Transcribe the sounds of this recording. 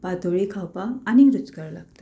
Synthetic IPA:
bad̪ʱoɭikʰawpaːniɾut͡skəɾlaɡt̪ḁ

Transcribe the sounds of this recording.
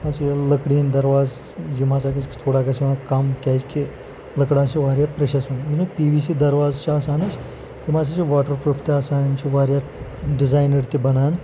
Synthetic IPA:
mat͡sjləkɽiːnd̪ɐɾʋaːz | d͡ʒimaːt͡sakɐt͡ʃt̪ʰoːɽaːkʲasinakamkʲaːt͡ʃki | ləkɽaːt͡ʃiʋaːɾjat̪pɾeʃɐsuninupiːʋiːsiːd̪ɐɾʋaːzt͡ʃʰiaːsaːnɐt͡ʃ | kimaːt͡sat͡ʃiʋaːʈəɾpɾuːft̪iaːsaːnnt͡ʃʰiʋaːɾjat̪ɖizaːjnəɾt̪ibɐnaːn

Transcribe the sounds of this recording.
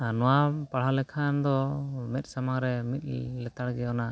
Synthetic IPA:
nɔwapaɽ̤alɛkʰand̪ɔmɛt̪̚samaŋɾɛmit̪̚ˀlɛt̪aɽɡɛɔna

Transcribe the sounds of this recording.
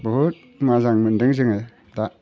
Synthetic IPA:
bɔɦut̚ | mazaŋmɯndɯŋzɯŋɯ | da

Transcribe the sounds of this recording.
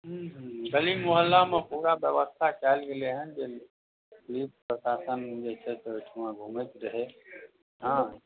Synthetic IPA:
ɦːɦɡɐlimʊɦəlːamãpuːɾabjəʋəst̪ʰat͡ɕaːɪlɡɪleɦənd͡ʑeː | liːppɾəsaːsənd͡ʑeːt͡ʃʰet̪əʋɪʈʰumãɡʱʊmet̪ɾɐɦeː | ɦãː

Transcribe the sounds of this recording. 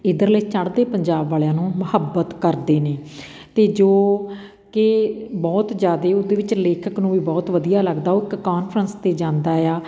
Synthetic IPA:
ɪd̪əɾləiːt͡ʃəɽd̪eːpəɲd͡ʒaːbʋaːlejãːnũːməhəbːət̪kəɾd̪eːneː | t̪eːd͡ʒoː | kɪbɔːt̪d͡ʒjaːd̪eːod̪eːʋɪt͡ʃleːkʰəknũːʋiːbɔːt̪ʋəd̪ijaːləɡd̪aːoːɪkːaːnpʰɾənst̪eːd͡ʒãːnd̪aːjaː

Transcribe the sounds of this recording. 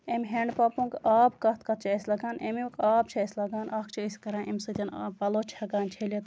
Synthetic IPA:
emɦeɳɖpaːpũŋkaːbkɐt̪̚kɐt̪̚ʰt͡ʃʰiesʲlɐɡaːnemjũkaːb̚t͡ʃʰɐɐsʲlɐɡaːnʔɐk̚ʰt͡ʃʰiisʲkɐɾãːʔemsɐd͡ʒɐnpɐloːt͡ʃʰhɐɡaːnt͡ʃʰelet̪

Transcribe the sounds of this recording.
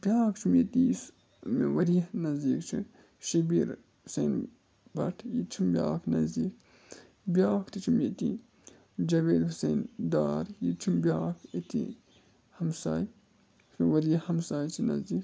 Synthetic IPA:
b̥ʲjaːkt͡ʃʰimet̪is | meʋɐɾijnɐzd̪iːkt͡ʃʰi | ʃibiɾ | useːn | bɐʈʰjit͡ʃʰumbʲjaːkʰnɐzd̪iːk | bʲjaːkt̪it͡ʃʰimet̪ḭ̃ | d͡ʒɐʋeːd̪huseːnd̪aːɾjit͡ʃʰumbʲjaːkʰet̪ḭ̃ | hɐmsaːj | smeʋɐɾijɐhɐmsaːjt͡ʃʰinɐ̰zd̪iːk

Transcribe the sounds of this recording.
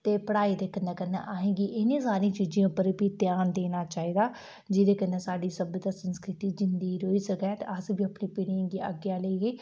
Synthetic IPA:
t̪eːpəɽaːiːd̪eːkəneːkənːḛʔaːɦẽːɡiːʔɪnĩːsaːɾijãːt͡ʃiːd͡ʒĩãːpəɾbiːt̪ɪjaːnd̪eːnaːt͡ʃaːiːd̪aː | d͡ʒɪd̪eːkənːeːsaːɖiːsəbəd̪aːsənskɾɪt̪iːd͡ʒɪnd̪iːɾoːiːsəkɛːt̪ḛəsbiːəpnĩːpɪɽĩŋɡiːə̰ɡjaːləiːɡiː

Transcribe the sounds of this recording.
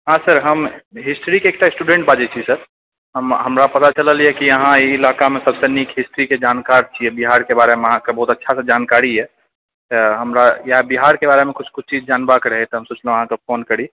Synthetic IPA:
ɦãsəɾɦəmɦisʈɾikeːk̚ʈaesʈuɖẽɳʈ̚bad͡ʒɛt͡ʃʰisəɾ | ɦəmɦəmɾapət̪at͡ʃələlijɛkiəɦãiilakamesəbsenikʰɦisʈɾiked͡ʒankaɾt͡ʃʰiɛbiɦaɾkebaɾemeəɦãkebəɦut̪ətːʃʰasəd͡ʒankaɾiɦɛ | t̪əɦəmɾajəɦbiɦaɾkebaɾemekut͡ʃʰkut͡ʃʰt͡ʃid͡ʒd͡ʒanbakɾəɦɛt̪ɔɦəmsut͡ʃʰlɦãkepʰonkəɾi

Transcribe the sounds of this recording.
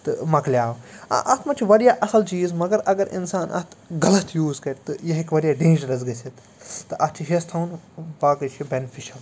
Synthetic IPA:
t̪ɨmɐkljaːʋɐ̰ʔɐt̪mɐt͡ʃʰiʋɐɽijaːʔɐsɐlt͡ʃiːzmɐɡɐɾɐɡɐɾɪ̰nsaːnʔɐ̰t̪ʰɡɐlɐt̪ʰjuːzkɐʈt̪ɨjɐɦɪkʋɐɽijaːɖẽːd͡ʒɾɐzɡɐsit̪ | t̪ɨʔɐt͡ʃʰiɦest̪ʰɐːnʋaːkɐt͡ʃʰibenifʰiʃɐl

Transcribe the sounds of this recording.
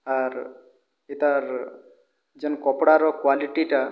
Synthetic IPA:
aɾ | it̪aɾ | d͡ʒɔnkɔpɽaɾɔkwaliʈiʈa

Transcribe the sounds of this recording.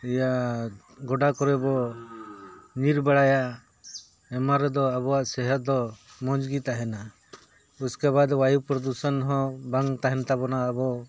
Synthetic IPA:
ɛjaʔ | ɡɔɖakɔɾɛbɔ | ɲiɾbɛɽajaʔ | ɛmaɾɛd̪ɔabɔwaʔsɛɦɔd̪ɔ | mɔd͡ʒɡit̪aɦɛna | uskaβad̪wajupɾɔd̪usɔnɦɔ̃baŋt̪aɦɛnt̪abɔnaːbɔ

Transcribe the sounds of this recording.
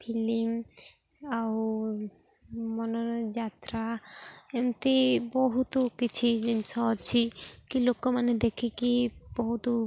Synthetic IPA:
pʰilim | aw | mɔnod͡ʑat̪ɾaemt̪eboɦut̪okit͡ɕʰid͡ʑinsʰat͡ɕʰikilokːomaned̪ekʰikiboɦut̪o

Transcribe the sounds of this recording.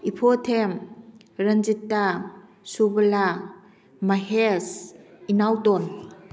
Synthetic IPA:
ipʰotʰem | ɾənd͡ʒitːa | subɐla | maɦesinawdɔn

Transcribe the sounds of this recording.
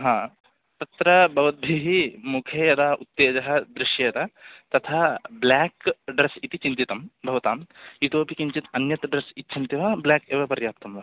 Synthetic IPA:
ɦãː | t̪ɐt̪ɾɐbʱɐʋɐt̪̚bʱiɦimukʰjɐjɐd̪aːut̪ːeːd͡ʒɐɦɐ̆d̪ɾɪʃjɐjɐt̪ɐt̪ɐt̪ʰaːblaːkɖɾɐsit̪it͡ʃint̪it̪ɐmbʱɐʋɐt̪aːmit̪oːpikiɲt͡ʃit̪ɐnjɐt̪ɖɾɐsitːt͡ʃʰint̪iʋɐblaːkeːʋɐpɐɾjaːp̚t̪ɐmʋɐ

